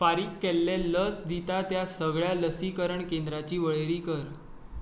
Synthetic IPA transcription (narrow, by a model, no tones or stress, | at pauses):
faɾiːkːɛlːeləsd̪it̪at̪jasəɡɭjaləsikəɾəɳkẽnd̪ɾat͡ɕiːʋəɭeɾiːkəɾ